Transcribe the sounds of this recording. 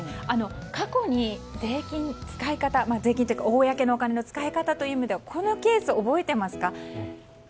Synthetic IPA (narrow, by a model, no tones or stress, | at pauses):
ano̞kako̞ɲ̟ize̞ːkʲĩnt͡sɨ̥kaikat̪amaze̞ːkʲĩnt̪oj̟kaoːjake̞no̞ːkane̞not͡sɨ̥kaikat̪at̪o̞jɯ̟ːmed̪e̞βakʰo̞no̞ke̞ːsɨoːbo̞e̞t̪e̞masɨ̥ka